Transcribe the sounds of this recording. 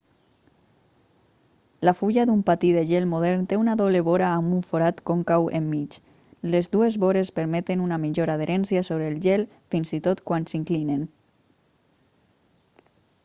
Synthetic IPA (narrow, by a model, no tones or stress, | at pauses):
lafuʎaðumpat̪iðeʒelmoð̞ɛɾnt̪eunaðɔβleβoɾaːmbuɱfoɾat̪koŋkawʔḛmːit͡ʃ | lezduezβoɾespəɾmɛt̪enunamiʎoɾað̞eɾʔɛnsjasoβɾeːlˠʒel | finzit̪ot̪kwansiŋklinen